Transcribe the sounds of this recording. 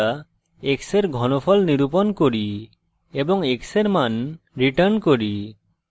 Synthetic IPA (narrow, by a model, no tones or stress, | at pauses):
a | ekseɾɡʱɔnopʰɔlniɾupɔnkoɾi | ebɔŋekseɾman | ɾiʈəɾnkoɾi